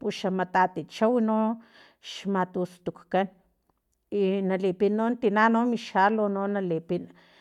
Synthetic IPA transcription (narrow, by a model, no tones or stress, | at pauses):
puʃamat̪at̪it͡ʃawino | ʃmat̪ust̪ukkan | inalipinont̪inanomiʃalononalipin